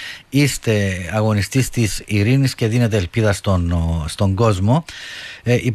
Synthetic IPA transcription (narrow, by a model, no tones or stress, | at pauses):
ist̪e̞ɐɣo̞nist̪ist̪isiɾinisce̞ðine̞t̪̬e̞ːlpiðɐst̪onst̪o̞ŋɡo̞zmo̞ | i